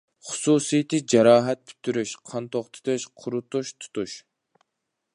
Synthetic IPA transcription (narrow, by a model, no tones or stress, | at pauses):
χʊ̥suːsijt̪ʰɨd͡ʒɛɾɑːɦɛt̪̚pʰy̥t̪ʰːyɾyʃqʰɑnt̪oχt̪ʰɨ̥t̪ɨʃqʰʊɾut̪uʃt̪ʰu̥t̪uʃ